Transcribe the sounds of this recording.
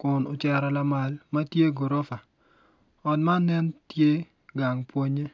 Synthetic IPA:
kʊ˨no˨t͡ʃa˨ɾɔ˨la˦ma˨lma˦tje˦ɡo˨ɾo˦fa˨ | ɔ˨dma˦nɛ˦ntje˦ | ɡa˨ŋpwo˦ɲe˦

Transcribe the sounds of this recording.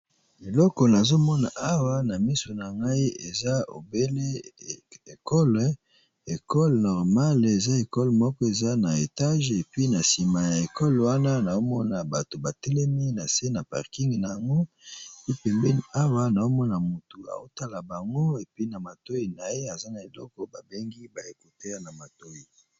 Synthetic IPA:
e˨lɔ˦kɔ˨na˨zo˦mɔ˦na˨a˦wa˦na˨mi˦so˨na˨ŋɡa˦i˦e˨za˦o̰˨be˦le˦ | e˨kɔ˦l | e˨kɔ˦lnɔ˨ʁma˦le˨za˦e˨kɔ˦lmɔ˦kɔ˦e˨za˦na˨e˨ta˦ʒe˨pɥi˦na˨si˨ma˨ja˨e˨kɔ˦lwa˦na˦na˨o˦mɔ˦na˨ba˨to˨ba˨tɛ˦lɛ˦mi˦na˨se˦na˨pa̰˨ʁki˦ŋɡna˨ja˨ŋɡo˦˨ | i˦pɛ˨mbɛ˦ni˨a˦wa˦na˨o˦mɔ˦na˨mu˨tu˨a̰˨o˦ta˦la˨ba˨ŋɡo˦e˨pɥi˦na˨ma˨to˦i˨na˨je˦a˨za˦na˨e˨lɔ˦kɔ˦ba˨be˦ŋɡi˦ba˨e˦ko˨te˦ja˦na˨ma˨to˦i˨

